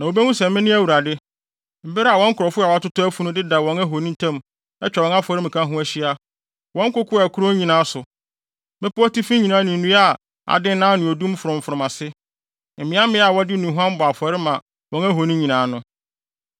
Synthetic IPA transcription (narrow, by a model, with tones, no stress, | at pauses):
nã˨o˨bɛ˦nũ˦sɛ˨mmɪ̃˦nɪ̃˦æ˦˨wu˨ɾa˨dɪ˦ | m̩˦bɪ˦ɾa˨wɔ̃˦ŋ̩˦kʰʊ˨ɾɔ˨fʊ˦a˨wa˦tʊ˦tʊ˦æ˦fu˦nʊ̃˦dɪ˦da˨wɔ̃˨˦ŋæ˦ɦo˨nĩ˦n˦tʰã˦m | ɛ˦t͡ɕᶣɛ˨wɔ̃˨ŋa˦fʊ˨ɔ˨ɾɪ˦mɪ̃˨kʰã˦ɦʊ̃˦æ˦ɕi˦a˦ | wɔ̃˦ŋ̩˦kʊ˦kʰʊ˦a˨kʰʊ˦ɾo˦ɲĩ˨nãː˨˦sʊ˨ | mɪ̃˦pʊ˦ɔ˦ti˦fĩ˦ɲĩ˨nãː˨˦nʊ̃˨n̩˨nũ˦a˦˨ | a̰˨dɪ̃˦nã˦nɪ̃˨o˨dũ˦m˦fʊ˨ɾʊ̃˨m̩˨fʊ˨ɾʊ˨mã˨sɪ˦ | m̩˨mɪ̃˨˦a˦mɪ̃˦a˨wɔ˦dɪ˦nũ˨ɦʷʊ˦ã˦m˦bɔ˨a˨fʊ˨ɛ˨ɾɪ˦mã˨ | wɔ̃˨ŋæ˦ɦo˨nĩ˦ɲĩ˨nãː˨˦nʊ̃˦